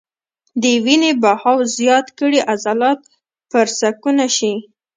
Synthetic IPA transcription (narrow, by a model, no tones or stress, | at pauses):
d̪əwinebahɑwzjɑt̪kəɽiʔazalɑt̪̚ | pəɾsakunaʃi